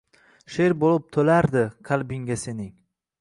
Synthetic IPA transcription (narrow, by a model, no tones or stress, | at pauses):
ʃeɾbolɪp̚t̪ʰolaɾd̪ɪqʰɑlˠbɪŋɡʲase̞nɪŋ